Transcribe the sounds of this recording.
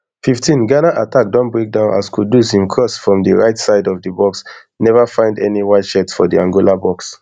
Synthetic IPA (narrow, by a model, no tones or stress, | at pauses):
fiftʰĩnɡanaʔatak̚dɔ̃nbɹek̚dãʊ̃na̰skuddusĩmkʰɹɔsfɹɔ̃mdiɹaɪtsaɪdɔvdəbɔks | nɛvafãɪ̃ndɛniwaʃɛtsfɔdiãŋɡulabɔks